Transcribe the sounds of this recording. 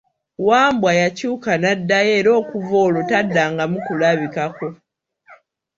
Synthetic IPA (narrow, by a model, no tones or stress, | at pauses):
waːmbwajacuːkanadːaje̞ːɾo̞ːkuvo̞ːlo̞tadːaːŋɡamukulaβikako̞